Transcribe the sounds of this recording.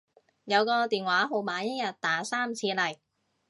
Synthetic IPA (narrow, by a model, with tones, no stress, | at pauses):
jɐ˨˧wkɔː˧t̪iː˨nwaː˨˥ɦo˨˧wmaː˨˧˥jɐ˥jɐ˨t̚t̪aː˨˥saː˥mt͡sʰiː˧lɐ˨˩j